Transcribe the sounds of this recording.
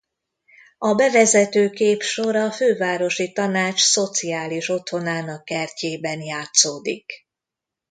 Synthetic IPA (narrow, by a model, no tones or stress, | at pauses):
ɒbɛvɛzɛt̪øːkeːpʃo̞ɾɒːføːvaːɾo̞ʃit̪ɒnaːt͡ʃso̞t̪siaːliʃo̞t̪ho̞naːnɒkːɛrceːbɛnjaːt̪soːd̪ik